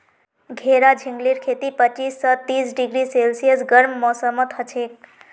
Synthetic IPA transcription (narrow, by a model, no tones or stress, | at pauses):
ɡʱeɾad͡ʒʱiŋɡliɾkʰet̪ipət͡ʃisːət̪isɖiɡɾiselsijəsɡəɾmːɔsəmət̪hət͡ʃʰek̚